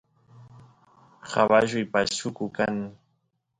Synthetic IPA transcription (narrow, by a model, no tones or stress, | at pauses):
habaʒʊjpaʃʊkʊkaŋ